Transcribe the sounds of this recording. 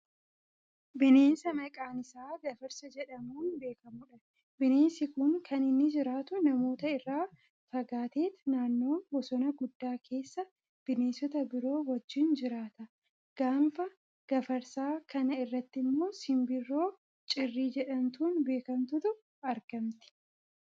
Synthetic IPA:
bɪne̞ːnsɐmɐkʼaːnɪsaːɡɐfɐɾsɐd͡ʒɛᶑɐmuːnbe̞ːkɐmʊᶑɐ | bɪneːnsɪkʊŋkʰɐnɪnːɪd͡ʒɪɾaːt̪ʊnɐmo̞ːt̪ɐɪrːaː | fɐɡaːt̪e̞ːt̪naːnːo̞ːnɡɔsɔnɐɡʊd̪ːaːkʰe̞ːsːɐ | b̥ɪneːnsɔt̪ɐbɪɾo̞ːwɐd͡ʒːɪnd͡ʒɪɾaːt̪ɐ | ɡ̥aːmfɐ | ɡ̥ɐfɐɾsaːkɐnɐɪrːɐt̪ːɪmːo̞ːsɪmbɪrːo̞ː | t͡ʃʼɪrːiːd͡ʒɛᶑɐnt̪uːnbe̞ːkɐmt̪ʊt̪ʊ | ɐɾɡ̥ɐmt̪ɪ̥

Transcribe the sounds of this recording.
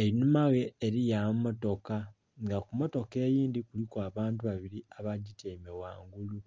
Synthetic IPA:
eɾinumaɣe̞ːɾijamumo̞to̞ka | ŋɡakumo̞to̞ke̞ːjiːndikulikaβaːntuβaβiɾiaβaɟitemewa̰ːŋɡulu

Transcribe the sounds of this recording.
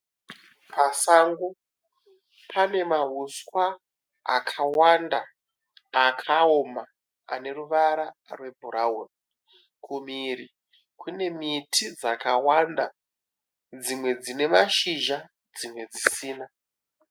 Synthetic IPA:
pasaŋɡu | pʰane̞maɦuskwa | a̰kʰawandaː | kʰao̞ma | a̰ne̞ruʋaɾarwe̞bʱuɾaoni | kʰumiɾi | kʰune̞mitʰid͡zakawanda | d͡zimwe̞d͡zine̞maʃiʒa | d͡zimwe̞d͡zisiːna

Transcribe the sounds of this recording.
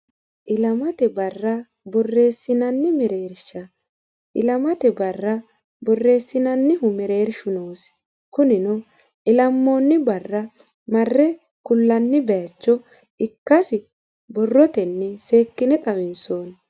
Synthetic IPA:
ʔɪlɐmɐt̪ɛbɐrːɐ | bɔrːe̞ːsːɪnɐnːɪmɛɾe̞ːɾʃɐ | ʔɪ̰lɐmɐt̪ɛbɐrːɐ | bɔrːe̞ːsːɪnɐnːɪɦʊmɛɾe̞ːɾʃʊnoːs | kʊnɪnɔ | ʔɪlɐmːo̞ːnːɪbɐrːɐ | mɐrːɛ | kʊlːɐnːɪbɛjɐt͡ʃːɔ | ɪkːɐsɪ | bɔrːɔt̪ɛnːɛse̞ːkːɪnɛt̪ʼɐmɪnsoːn

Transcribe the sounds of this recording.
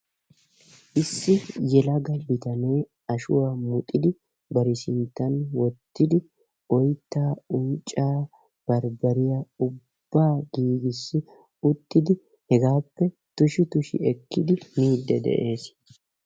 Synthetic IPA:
ʔɪsːɪjɛlɐɡɐbɪt̪ɐne̞ː | ɐʃʊwamʊt̪ʼɪd̪ɪ | bɐɾɪsɪnt̪ːɐnwɔt̪ːɪd̪ɪ | ɔjt̪ːaːʊnt͡ʃʼːaː | b̥ɐɾbɐɾɪjɐʊbb̥ːaːɡ̥iːɡɪsːɪ | ʊt̪ːɪd̪ɪ | hɛɡaːpːɛ | t̪ʊʃɪt̪ʊʃɪ̰ɛkːɪd̪ɪmiːd̪ːɛ̰d̪ɛ̰ʔe̞ːs

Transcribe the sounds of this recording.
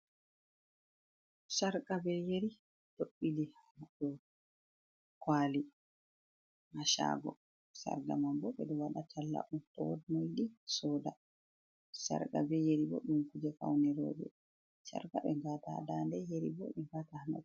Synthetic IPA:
saɾkabɛjeɾi | doɓːilihanadɔ | kwaːli | maʃa̰ːɡɔ | sa̰ɾɡamambɔɓɛɗɔwaɗatʰalːa̰ʔuntɔwodmojɗisɔːda | sa̰ɾkʼabɛjeɾibɔɗumkud͡ʒɛfa̰wnɛɾo̰ːd͡ʒɛ̰ | sa̰ɾkaɓɛɡatadandɛjeɾḭbɔɗumɡatahana̰ɗ

